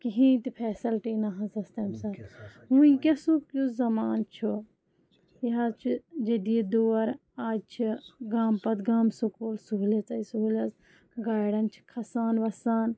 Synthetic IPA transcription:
kiɦĩt̪ipʰɛːsɐlʈiːnɐɦɐ̃sɐst̪ɐːmsɐt̪ɦũːĩkʲɐsukuzɐmaːnt͡ʃʰu | jɦat͡ʃʰid͡ʒed̪ied̪oːɐɾ | aːd͡ʒ̚t͡ʃʰiɡaːmpɐt̪ɡaːmsukoːlsuɦulɐt͡sɐisuɦulɐs | ɡaːjɽɐnt͡ʃʰi̥kʰɐsaːnʋɐsaːn

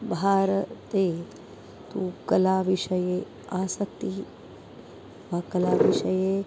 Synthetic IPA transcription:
bʱaːɾɐt̪eː | t̪uːkɐlaːʋiʂɐjeː | aːsɐk̚t̪i | ʋaːkɐlaːʋiʂɐjeː

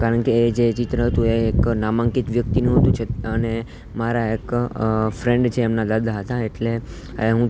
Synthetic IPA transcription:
kaɾəɳkeːd͡ʒet͡ʃit̪ɾəɦət̪ũeːknamãŋkit̪ʋjək̚t̪inũɦət̪ũt͡ʃʰeəne | maɾaekfɾẽɳɖt͡ʃʰeːmnad̪ad̪ʱaɦət̪aeʈle | eɦũ

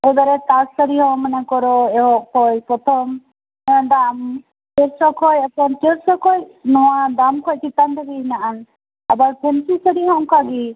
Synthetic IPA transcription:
ɛbaɾɛt̪assaɾiɦɔ̃manakɔɾɔɛɦɔʔkʰɔjpɾɔt̪ʰɔm | d̪am | keɾsɔkʰɔjapɔnkeɾsɔkʰɔjnɔwad̪amkʰɔjkit̪and̪aɡiɦinaʔan | abaɾpʰɛnsisəɾiɦɔ̃kaɡi

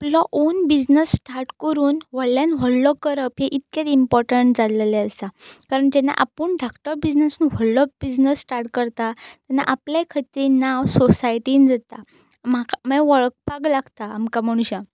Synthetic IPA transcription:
aplɔʔonbid͡znəsːʈaɾʈkəɾuːnʋəɭljanɦɔɭlɔkəɾəpɦeʔit̪ket̪impɔɾʈəɳʈ̚d͡zalleəst̪akaɾəɳd͡ʑɛnːa̰ʔa̰pəɳɖakʈəɾbid͡znəsunɦɔllɔp̚bid͡znəsːʈaɾʈkəɾt̪at̪ɛnːa̰ʔaplakʰət̪inawsɔsajʈind͡zət̪a | maməʋəɭk̚paɡlaɡt̪aːmkam̤əɽ̃ũɕã

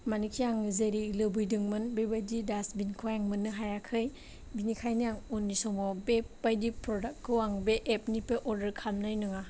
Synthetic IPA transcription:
manikʰijaŋzeɾilɯbɯjdɯŋmɯnbejbajdidasbinkʰojaŋmɯnːɯɦajakʰɯj | binikʰajnijaŋunːisɔmɔbebajdipɾɔdakʰːɯwaŋbeʔːp̚nipeʔɔɾdəɾkʰamnajnɯŋa

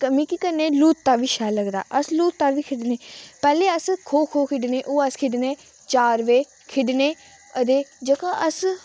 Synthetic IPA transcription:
kəmĩːkikəɾneːluːt̪ːaːʋiːʃɛːləɡd̪a̰ːʔəsluːt̪ːaːʋiːkʰɪɖneːpɛːleːəskʰoːkʰoːkʰɪɖneːʔoːəskʰɪɖneː | t͡ʃaːɾʋeː | kʰɪɖneː | ət̪eːd͡ʒəkãːʔəs

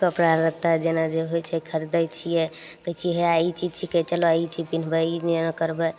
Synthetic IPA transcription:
kəpɾaɾət̪ad͡ʒenad͡ʒeɦojt͡ʃʰɛkʰəɾd̪əjt͡ʃʰijɛkəjt͡ʃʰiɦɛait͡ʃid͡ʒt͡ʃʰiket͡ʃəloait͡ʃʰipin̤bɛinnakəɾbɛ

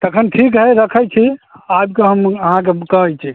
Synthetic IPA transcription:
t̪əkʰənʈʰik̬ɦɛjɾəkʰəjt͡ʃʰiab̚keɦəməɦãk̬ekəɦəjt͡ʃʰi

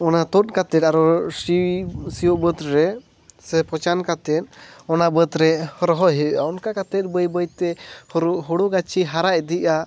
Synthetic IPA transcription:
ɔnat̪ɔt̪̚kat̪ɛt̪aɾɔsisiɔʔbət̪ɾɛ | sɛpʰɔt͡ʃankat̪ɛt̪̚ɔnabət̪ɾɛhɔɾɔɦɔɦɛʔaɔnkakat̪ɛt̪̚bəjbəjt̪ɛhɔɾuʔɦɔɽuɡat͡ʃiɦaɾaʔd̪iʔa

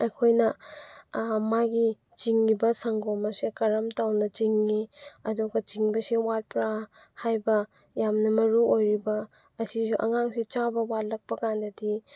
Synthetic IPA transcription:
ɐkʰojnɐ | maɡi | t͡ʃiŋːibɐsɐŋɡomɐsekɐɾɐmtawnɐt͡ʃiŋːiɐduɡɐt͡ʃiŋbɐsiwat̚pɾa | hajbɐ | jamnɐmɐɾuʔojɾibɐː | sisuʔɐ̰ŋaŋsit͡ʃabɐwat̚lɐk̚pɐkandɐdi

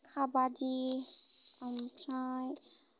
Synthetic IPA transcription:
kʰabadi | ampʰɾãj

